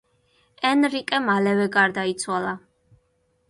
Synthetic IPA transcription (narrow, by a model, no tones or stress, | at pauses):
ɛnɾikʼɛmalɛvɛɡaɾd̪ait̪sʰwalˠa